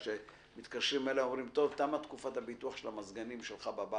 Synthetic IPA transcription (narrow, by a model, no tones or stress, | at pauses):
ʃe | mit̪kaʃɾimeleo̞mʁimt̪o̞vt̪amat̪kufat̪habituaχʃelamazɡanimʃelχababa